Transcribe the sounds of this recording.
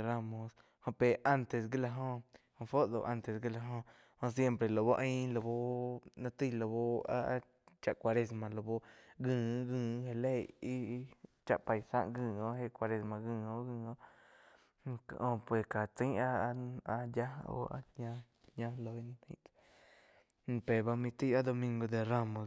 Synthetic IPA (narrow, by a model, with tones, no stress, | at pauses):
ɾa˧mõ˧s | hõ˧pe˨ʔa˦nt̪e˨s̬ɡi˦la˧ɦõ˧hõ˧fo˦ʔd̪o˧˨ʔa˧nt̪e˨sɡi˦la˧ɦõ˧ | hõ˧s̬je˦˧mpɾe˨lo˨bo˦˧ʔĩ˦lo˧˨bo˦nã˧t̪i˦˧lo˧˨bo˧a̰˦˧ | t͡ʃa˧ʔkʷa˧ɾe˧s̬mã˨lo˨bo˧ɡɨ̃ː˧˨˦ɡɨ̃ː˧˨˦he˧le˦˧ji˦t͡ʃa̰˧ʔpa˧˨jsã̰˦˧ʔɡɨ̃ː˧˨õ˧˦he˧kʷa˧ɾe˧smã˧ɡɨ̃ː˧˨õ˧ɡɨ̃ː˧˨õ˦˧ | kʔõ˧pwe˨ka˨t͡s̪ĩ˦a˦˧a˧ja˦o̰˧a̰˧ɲã˧ | ɲã˦lo˧i˦nã˧t̪ʰḭ̃˦ʔd̪ | pe˨ba˧mĩ˧t̪i˦a˦d̪o˧mĩ˧ŋɡo˧d̪e˧ra˧mõ˨s